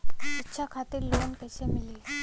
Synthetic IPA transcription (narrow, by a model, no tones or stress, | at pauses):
itːɕʰakʰat̪iːɾlounkəɕemiliː